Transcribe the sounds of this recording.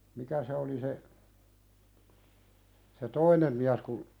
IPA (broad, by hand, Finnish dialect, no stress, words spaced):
mikæ se oli se se toinem miæs kun